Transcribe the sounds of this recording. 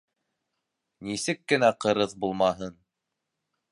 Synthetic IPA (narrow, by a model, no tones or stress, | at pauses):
nisɘkːɘ̆næqɤ̆ɾɤðbulˠmɑɦɤn